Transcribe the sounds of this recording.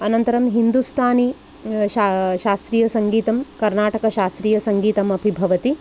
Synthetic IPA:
ɐnɐnt̪ɐɾɐmɦind̪ust̪ʰaːni | ʃaʃaːst̪ɾiːjɐsɐŋɡiːt̪ɐmkɐɾnaːʈɐkɐʃaːst̪ɾiːjɐsɐŋɡiːt̪ɐmɐbʱibʱɐʋɐt̪i

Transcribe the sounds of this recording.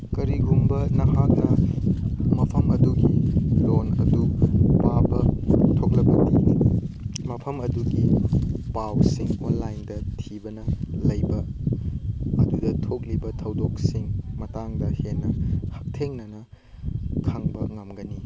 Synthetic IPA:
kɐɾiɡumbɐnɐhak̚nɐ | mɐpʰɐmɐduɡilonɐ̰dupabɐtʰoklɐbɐdi | mɐpʰɐmɐduɡipawsiŋonlajndɐtʰibɐnɐlɐjbɐ | dudɐtʰok̬̚libɐtʰɐwdok̚siŋmɐtaŋdɐhenːɐhɐk̚tʰeŋnɐnɐ | kʰɐŋbɐŋɐmɡɐni

